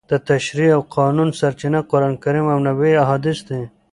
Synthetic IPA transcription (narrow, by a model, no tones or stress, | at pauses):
d̪̥ət̪ɐʃɾiawqɑːnunsɐɾt͡ʃinaqoɾɑnkaɾimawnɐweɐɦɑːd̪ɪsd̪e